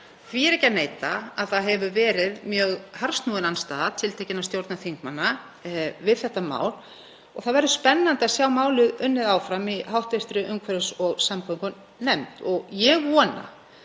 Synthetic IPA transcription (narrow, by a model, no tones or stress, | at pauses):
θviɛɾɛhcːaneːjt̪aaðθaðɦɛvʏvɛːɾɪðmjœːɣhaɾst̪nuːðɪnanst̪a̰ːðat̪ʰɪlt̪ʰeːjcɪnast̪jowɾt̪naθiŋkmanːa | vɪðθɛht̪ːama̰ːwl | ɔɣθaðvɛɾðʏspɛnːant̪ɪasjaːwmaːwlʏðʏnːɪðaːwfɾamiɦawht̪vɪr̥t̪ɾʏʔʏmkʰvɛɾʏsɔɣsampɔŋkʏn | nɛmt̪ɔɣjɛɣvɔːna̰